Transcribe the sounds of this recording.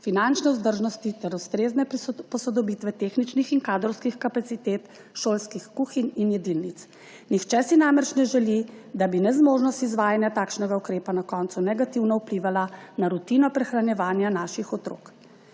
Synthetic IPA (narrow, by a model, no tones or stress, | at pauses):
finant͡ʃnɛuzd̪əɾʒnɔst̪it̪ɛɾust̪ɾeːznɛpɔsɔd̪ɔbiːt̪ʋɛt̪eːxnit͡ʃnixiŋkaːd̪ɾɔwskixkapat̪sit̪eːt̪ | ʃoːlskixkuːxininjɛd̪inːit̪s | nixt͡ʃɛsinamɛt͡ʃnɛʒɛlid̪abinɛzmoːʒnɔst̪izʋaːjanjat̪aːkʃnɛɡaukɾeːpanakɔnt̪sunɛɡat̪iwnɔupliʋalanaɾut̪inɔpɾɛxɾanjɛʋaːnjanaʃixɔt̪ɾo̰ːk